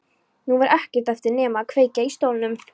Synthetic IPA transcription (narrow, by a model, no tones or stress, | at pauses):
nuvaɾʔɛhcɪ̥t̪ɛft̪ɪɾnɛːmaːkʰveːjcaist̪owlɪnʏm